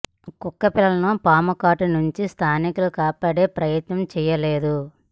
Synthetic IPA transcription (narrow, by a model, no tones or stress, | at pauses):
kukːɐpilːɐlɐnopaːmɐkaːʈunuɲt͡ʃist̪ʰaːnikulukaːpɐɽe̞ːpɾɐjɐt̪nɐmt͡ʃɛːjɐle̞ːd̪u